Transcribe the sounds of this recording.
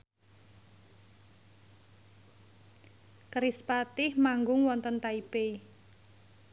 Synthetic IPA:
kɾispat̪ɪhmaŋɡʊŋwɔnt̪ənt̪aipe

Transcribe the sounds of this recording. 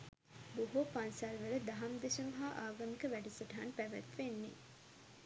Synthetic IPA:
boɦopansælʋələd̪aɦamd̪eʃəmɦaːʔaːɡɐmikəʋæɖisəʈɐɦanpæʋæ̰t̪ʋenːḛ

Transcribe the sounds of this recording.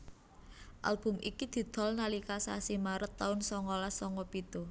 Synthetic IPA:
ʔa̰lb̥ʊ̤mʔikid̪̥i̤d̪̥ɔ̤lnalikasa̰simaɾət̪ːaʊnsɔŋɔlasɔŋɔpit̪u

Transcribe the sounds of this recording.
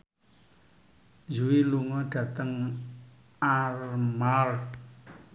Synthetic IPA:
d͡ʒuwiluŋɔɖ̥ä̤t̪əŋ | armal

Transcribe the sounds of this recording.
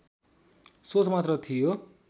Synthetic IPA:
sot͡smat̪rʌt̪ʰijo

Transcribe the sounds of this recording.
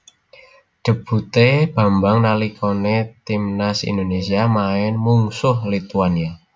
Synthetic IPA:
ɖ̪̥ə̤b̥ṳt̪eb̥a̤mbaŋnalikonet̪imnasḭnd̪onesiamaɪnmuŋsʊhlit̪uania

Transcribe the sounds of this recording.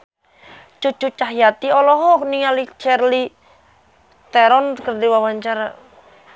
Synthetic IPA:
t͡ʃut͡ʃut͡ʃaɦjat̪iɔlɔɦɔk̚niŋalit͡ʃɛrli | t̪ɛɾɔnkərd̪iwawaɲt͡ʃaɾa

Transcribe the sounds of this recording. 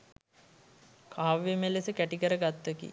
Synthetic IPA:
kʰaːʋemelesəkæʈikəɾəɡat̪ːəkḭ

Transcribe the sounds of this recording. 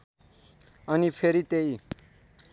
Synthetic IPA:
ʌnipʰeɾit̪ei

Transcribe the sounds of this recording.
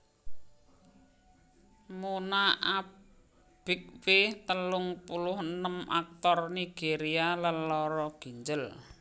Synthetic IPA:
monaa | b̥ɪk̚wɪt̪əlʊŋpulʊhənəma̰k̚t̪ɔrniɡ̥eɾialəlɔɾɔɡ̥i̤ɲd͡ʒəl

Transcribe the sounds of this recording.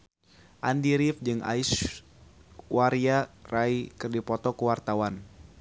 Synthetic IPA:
ʔandiɾifd͡ʒɨŋa̰is | waɾiaraikɨrdipɔt̪ɔkəwart̪awan

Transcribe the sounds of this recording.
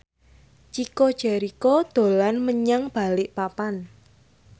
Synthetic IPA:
t͡ʃikod̥ʒ̥ɛ̤ɾikod̪̥o̤lanməɲaŋb̥a̤lɪʔpapan

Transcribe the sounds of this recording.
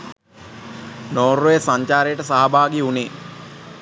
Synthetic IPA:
noːɾːojesaɲt͡ʃaːɾejəʈəsaɦabaːɡiuneː

